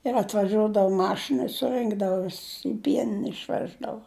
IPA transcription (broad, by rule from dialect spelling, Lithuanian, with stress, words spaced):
ɪr ɐtʋɐˈʒʲuɔdɐʋʊ ˈmɑːʃʲɪnɐ ɪ sʊˈrɨŋɡdɐʋʊ ˈʋʲɪss ɪ ˈpʲiɛnʲɪnʲɛ ɪʃʲˈʋʲæːʒdɐʋoː